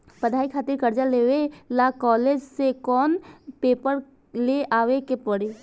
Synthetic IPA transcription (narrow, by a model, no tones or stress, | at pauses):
pəd̪ʱaːikʰaːt̪ɪɾkəɾd͡ʒaleːʋelakɔːleːd͡ʒsekɔːnpeːpəɾ | leaːʋekepəɽi